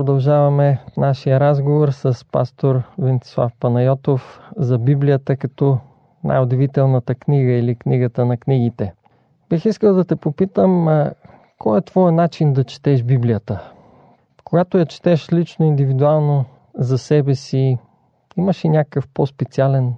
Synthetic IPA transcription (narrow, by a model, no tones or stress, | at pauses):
ɾod̪ɐlˠʒavɐmɛnaʃijəɾazɡovoɾsəspa̰st̪oɾvɛnt̪i̥slˠa̰fpɐnɐjɔt̪ofzɐbiblijət̪əkɐt̪ɔ | nʔa̰jod̪ɛvit̪ɛlˠnət̪əkniɡəilikniɡət̪ənɐkniɡ̟it̪ɛ | b̥ixiskəlˠd̪ɐt̪ɛpopit̪əm | kɔɛt̪vɔjɛnat͡ʃind̪ɐt͡ʃɛ̥t̪ɛʃbiblijət̪ə | koɡat̪ojɐt͡ʃɛ̥t̪ɛʃlit͡ʃnoind̪ivid̪ualˠno | zɐsɛbɛsi | iməʃinʲakəfpospɛt̪sialɛn